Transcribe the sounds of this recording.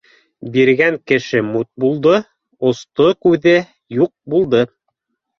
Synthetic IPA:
biɾɡæŋkɘ̆ʃɘmut̪̚bulˠd̪o | ŏst̪okʉðɘ | juq̚bulˠd̪ɤ

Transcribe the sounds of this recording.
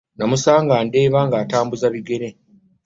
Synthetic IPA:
namusaːŋɡaːnde̞ːβaŋɡaːtaːmbuzaβiɡe̞ɾe

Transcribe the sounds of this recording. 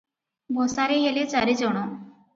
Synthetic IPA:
bʱosaɾeɦelet͡saɾid͡zəɽ̃o

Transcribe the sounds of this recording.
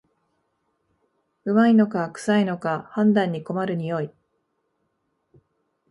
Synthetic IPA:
ɯ̟maino̞kakɯ̟̥saino̞kahãnd̪ãɲ̟ːiko̞maɾɯ̟ɲ̟ijo̞i

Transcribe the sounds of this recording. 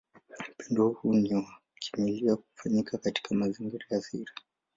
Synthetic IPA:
m̩pɛndɔhhunia | kʰi̥miliakufaɲikʰakati̥kʰamaziŋɡiɾajasiɾa

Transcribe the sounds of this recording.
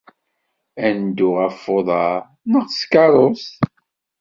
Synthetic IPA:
ænd̪ʊʁæfːoðˤɑ | nəʁskɑɾˤos

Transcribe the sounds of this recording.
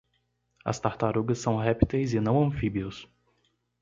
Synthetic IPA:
ɐ̰st̪aɾt̪aɾuɡɐsːɐ̃w̃ɦɛpit̪ejzɪnɐ̃w̃ɐ̃fibiʊs

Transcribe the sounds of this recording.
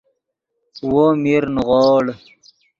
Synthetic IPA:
womiɾnʁoːɽ

